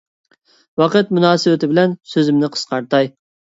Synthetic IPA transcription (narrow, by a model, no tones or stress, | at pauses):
wɑqət̪̚munɑːsɨwɪt̪ɪbɪlɛnsøzɪmnɪqʰə̥sqɑɾt̪ɑj